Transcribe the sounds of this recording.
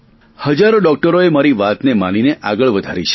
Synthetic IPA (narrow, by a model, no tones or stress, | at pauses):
həd͡ʒaɾoɖɔk̚ʈəɾoemaɾiʋat̪nemanineʔaɡəɭʋəd̪ʱaɾit͡ʃʰe̥